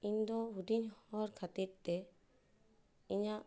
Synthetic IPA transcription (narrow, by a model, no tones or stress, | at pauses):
iɲd̪ɔɦud̪iɲɔɾkʰat̪iɾt̪ɛ | iɲa